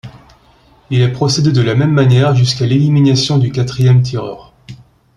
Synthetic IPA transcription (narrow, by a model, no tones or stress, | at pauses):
ilɛpχɔsed̪ed̪əlamɛmːanjɛʁʒyskaleliminasjɔ̃d̪ykʲat̪χijɛmt̪̬ʰiʁœːʁ